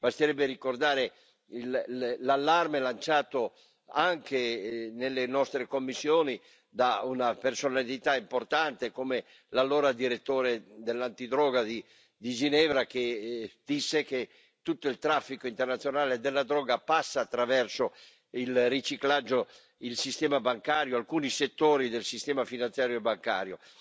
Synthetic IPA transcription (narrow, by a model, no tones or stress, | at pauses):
bast̪eɾɛbːeɾikord̪aːɾe | illalːarmelant͡ʃaːt̪o | aŋkenelːenɔst̪ɾekomːisːjoːni | d̪aunapersonalit̪aimport̪ant̪ekome | lalɔːɾad̪iɾet̪ːoːɾed̪elːant̪id̪ɾɔːɡad̪i | d̪id͡ʒinɛːvɾaked̪̥isːek̟e | t̪ut̪ːoilt̪ɾafːikoint̪ernat̪sːjonaːled̪elːad̪ɾɔːɡapasːaːt̪ːɾavɛrso | ilrːit͡ʃiklad͡ʒːo | ilsist̪ɛːmabaŋkaːɾjoalkuːniset̪ːoːɾid̪elsist̪ɛːmafinansjaːɾjoebaŋka̰ːɾjo